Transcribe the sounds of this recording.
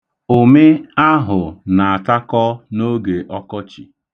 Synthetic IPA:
o˨me˦a˦ɦʊ˨na˨a˨ta˦kɔ˦no˦ɡe˨ʔɔ˦kɔ˦t͡ʃḭ˨

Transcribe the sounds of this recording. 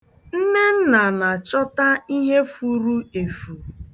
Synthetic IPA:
n̩˦ne˦n̩˦na˨na˨t͡ʃɔ˦ta˦i˦ɦe˦fu˦ɾu˦e˨fu˨

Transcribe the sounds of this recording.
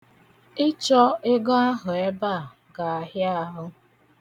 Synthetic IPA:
ɪ˦t͡ʃɔ˦ɪ˦ɡɔ˦a˦ɦʊ˨e˦ba˦˨ | ɡa˨a˨ɦja˦ɦʊ˦

